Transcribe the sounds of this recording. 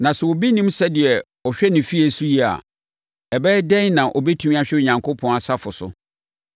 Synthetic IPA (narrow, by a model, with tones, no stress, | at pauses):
nã˨sɛ˨wɔ˨bi˦nĩ˦msɛ˦dɪ˨ɛ˨ | ɔ˨ɕᶣɛ˦nɪ̃˨fi˦ɛ˨su˦ji˦a̰˨ | ɛ˨bɛː˦dɛ̃˦nnã˨ʔɔ˨bɛ˦tʰũ˦mĩ˦a˦ɕᶣɪ˦ʊ˨ɲã˨ŋkʰo˦pʰɔ̃˨˦na˨sa˦fʊ˨sʊ̰˦